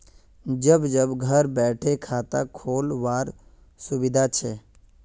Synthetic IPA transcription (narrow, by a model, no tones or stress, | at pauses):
d͡ʒəbd͡ʒəbɡʱəɾbɛːʈʰekʰaːt̪a̰kʰoːlʋaːɾ | sʊʋɪd̪ʱat͡ʃʰeː